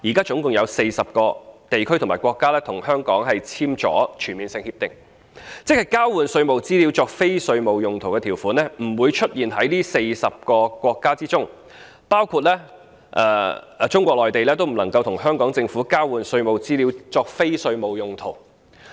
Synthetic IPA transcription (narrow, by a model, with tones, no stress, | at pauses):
jiː˨˩kaː˥t͡sʊ˨˥ŋkʊ˨ŋjɐ˨˧wse˧jsɐ˨p̚kɔː˧t̪e˨jkʰɵ˥t̪ʰʊ˨˩maː˨˩jkʷwɔː˧kːaː˥lɛː˥t̪ʰʊ˨˩ŋhœː˥ŋkɔː˨˥ŋɦɐ˨jt͡sʰiː˥mt͡sɔ̰ː˨˥t͡ʃʰyː˨˩nmiː˨nsɪ˧ŋhiː˧p̚t̪ɪ˨ŋ | t͡sɪ˥k̚hɐ˨jkaː˥wwuː˨˧nsɵ˧ɥmo˨wt͡siː˥li˨˧wt͡sɔː˧k̚fe˥jsɵ˧ɥmo˨wjʊ˨ŋt̪ʰo˨˩wkɛː˧i˨˩wfuː˨˥nlɛː˥m̩˨˩wuː˨˧jt͡ʃʰɵ˥t̚jiː˨nɦɐ˨˥jliː˥se˧jsɐ˨p̚kɔː˧kʷɔː˧kːaː˥t͡siː˥t͡sʊ˥ŋ | paː˥wkʰuː˧t̚lɛː˥ | ʔɛ̰ː˧˩˧ | t͡sʊ˥ŋkʷɔː˧k̚lɔː˨jt̪e˨jlɛː˥t̪̬o˥wm̩˨˩nɐ˨˩ŋkɐ˧wt̪ʰʊ˨˩ŋɦœː˥ŋkɔː˨˥ŋt͡sɪ˧ŋfu˨˥kaː˥wuː˨nsɵ˧ɥmo˨wt͡siː˥liː˨˧wt͡sɔː˧k̚fe˥jsɵ˧ɥmo˨wjʊ˨ŋt̪ʰo˨˩w